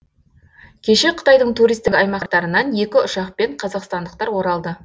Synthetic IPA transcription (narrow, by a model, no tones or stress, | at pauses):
kʲʰe̞ʃe̞qʰə̥t̪ɑjd̪əɴt̪ʰuɾijst̪ɪkɑjmɑqt̪ɑɾənɑnje̞kʲɪʊʃɑq̚pe̞ɴqʰɑzɑqst̪ɑnd̪əq̚t̪ɑɾwo̞ɾɑlˠd̪ə